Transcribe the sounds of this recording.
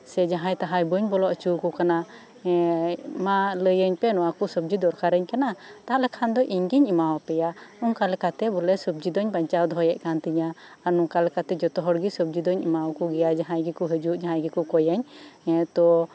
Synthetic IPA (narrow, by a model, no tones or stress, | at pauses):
sɛd͡ʒaɦãjt̪aɦajbəɲbɔlɔʔt͡ʃukukana | maləjəɲpɛnɔwakusəb̚d͡ʒid̪ɔɾkaɾəɲkanat̪aɦalɛkʰand̪ɔʔiɲɡiɲimawpɛjanɔŋkalɛkat̪ɛbɔlɛsəb̚d͡ʒid̪ɔɲbaɲt͡ʃawd̪ɔɦɔjɛʔkant̪iɲaː | ɾnuŋkalɛkat̪ɛd͡ʒɔt̪ɔɦɔɽɡisəb̚d͡ʒid̪ɔɲimawkuɡɛjad͡ʒaɦãjɡɛkuɦəd͡ʒuʔd͡ʒaɦãjɡɛkukɔjəɲt̪ɔ